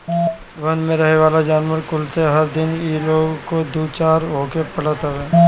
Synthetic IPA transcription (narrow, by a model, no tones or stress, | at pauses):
ʋɐnmẽɾəɦeʋaːlad͡ʒaːnʋəɾkʊlseɦəɾd̪ɪniloːɡkod̪uːt͡ʃaːɾɦoːkepɐɽat̪aʋeː